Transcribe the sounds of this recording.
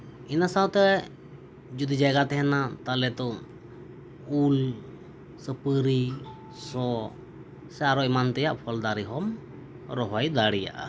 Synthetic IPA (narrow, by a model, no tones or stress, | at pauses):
inasawt̪ɛ | d͡ʒud̪id͡ʒaɡat̪ɛɦɛnat̪alɛt̪ɔ | ul | səpəɾi | sɔ | sɛaɾɔɛmant̪ɛjaʔpʰɔld̪aɾiɦɔm | ɾɔɦajd̪aɽija̰ʔa̰